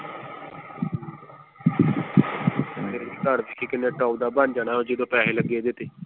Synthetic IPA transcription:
eːɾiːk̪əɾd̪ikʰiːkɪnːẽːʈaːd̪aːband͡ʒaːnaːɦoːd͡ʒeːd̪õːpɛːleːləɡːeːd̪ɪt̪eː

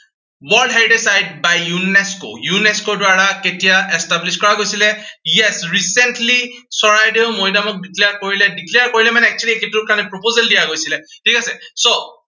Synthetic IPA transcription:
wɔldɦɛdɛsajd̚bajjunɛsko̰junɛskodwaɹaketijaɛstabliskɔɹaɡojsilɛjɛsɹisɛntli | sɔɹajdeʊmojdamɔk̚dikleaɹkoɹilɛdiklejaɹkoɹilɛmanɛɛk̚t͡ʃulieketukanɛpɹopozɛldijaɡojsilɛtʰikasɛso

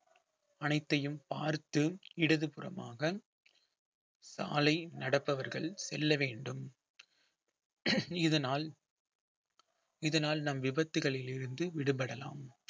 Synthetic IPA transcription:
ɐnɐɪt̪ːɐjɯmpaːɾt̪ɯɪɽɐðɯpɯrɐ̰maːɣɐ | sa̰ːlɐɪnɐɽɐpːɐʋɐɾɣɐɭsɛlːɐʋeːɳɖɯm | ɪðɐnaːl | ɪðɐnaːlnɐmʋɪbɐt̪ːɯɣɐɭɪlɪɾɯnd̪ɯʋɪɽɯpɐɽɐla̰ːm

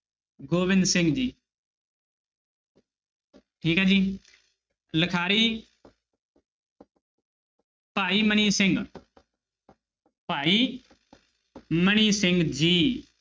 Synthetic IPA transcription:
ɡoːʋɪnsɪ̃ŋɡd͡ʒiː | ʈʰiːkaːd͡ʒiː | ləkʰaːɾiː | paːiːməniːsɪŋɡ | paːiː | məniːsɪŋɡd͡ʒiː

